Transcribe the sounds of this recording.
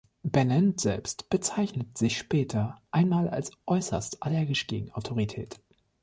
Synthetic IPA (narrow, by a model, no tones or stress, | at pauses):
b̥ɛnɛntz̥ɛ̰lpstb̥ət͡saɪçnətz̥ɪçʃpɛːtʰɐʔaɪnmaːla̰lsʔɔʏsɐ̰stalɛɐɡɪʃɡ̥eːɡŋ̩aʊtʰoʁitʰɛːt